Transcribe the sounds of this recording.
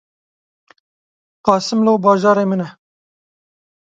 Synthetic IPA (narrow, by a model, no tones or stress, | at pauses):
qɑːsɪmlobɑːʒɑːɾemɪna